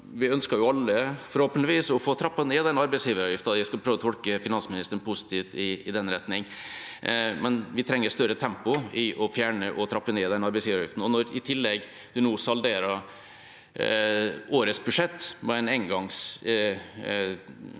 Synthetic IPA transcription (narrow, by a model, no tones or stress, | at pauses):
ʋɪœnskɑɾjʊɑlːəfɔɾhoːpənt̪ɪʋiːsɔfoːt̪ʰɾɑpːɑnɛːd̪ɛnɑɾbɛɪsjiːʋəɾɑjɪft̪ɑjæskɑlpʰɾøːʋɔt̪ɔlkəfɪnɑnsmɪnɪst̪əɳpʰʊsɪ̥t̪ʰiːʋt̪ɪɪd̪ɛnɾɛt̪nɪŋ | mɛnʋɪt̪ʰɾɛŋːəst̪œɾət̪ʰɛmpʊɪʔɔfjæːɳəʔɔt̪ʰɾɑpːəneːd̪ɛnɑɾbɛɪsjiːʋɾɑjɪ̰ft̪n̩ɔnɔɾɪt̪ʰɪlːɛɡ | d̪̥ʉnoːsɑld̪eːɾɑ | oːɾəsbʉʂɛt̪ːmɛɛnɛɪŋɡɑŋs